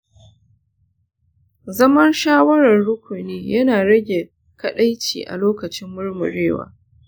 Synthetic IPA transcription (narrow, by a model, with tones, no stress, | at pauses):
zɐ˦mɐ˦nʃaː˦wɐ˦ɾɐ˨rɽʊ˦kʷʊ˨neː˦jɐ˦naː˨ɽɐ˦ɡʲe˨ | kɐ˦ɗa˦jt͡ʃḭː˨ʔa̰˨loː˦kɐ˨t͡ʃɪ˦mːʊ˦ɽmʊ̰˨ɽeː˦wa̰ː˦